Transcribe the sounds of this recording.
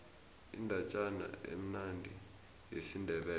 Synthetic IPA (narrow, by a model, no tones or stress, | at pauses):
ḭndʱat͡ʃʼana̰ḛm̩nandʱi | jesindʱɛɓɛː